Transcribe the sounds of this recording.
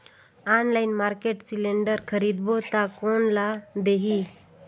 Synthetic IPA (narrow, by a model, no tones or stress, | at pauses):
anlaɪnmaɾkeʈsilẽɳɖəɾkʰəɾid̪bot̪akonlad̪eɦi